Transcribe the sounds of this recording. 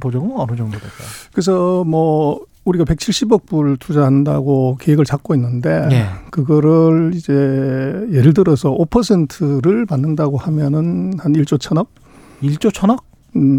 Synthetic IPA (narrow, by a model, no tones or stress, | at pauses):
pod͡ʑʌɡɯmaɾud͡ʑʌŋdoa̰k͈a̰kɯes̬ʰʌmʌ | uɾiɡape̞k̚t͡ɕʰiɭɕ͈ibʌk̚p͈uɭtʰud͡ʑaɦanda̰ɡokeweɡɯɭt͡ɕak̚k͈oinːɯnde̞jkɯɡʌɾʌɭid͡ʑe̞jeɾɯɭtɯɾʌsʰʌʔopʰʌs̬ʰe̞ntʰɯɾɯɭmanːɯndaɡohamjʌnɯnhaniɭt͡ɕ͈ot͡ɕʰʌnʌk̚ | iɭt͡ɕ͈ot͡ɕʰʌnʌk̚